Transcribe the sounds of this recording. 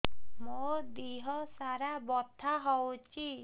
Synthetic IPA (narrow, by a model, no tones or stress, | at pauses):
mod̪iɦɔsaɾabɔt̪ʰːaɦɔwt͡ʃʰi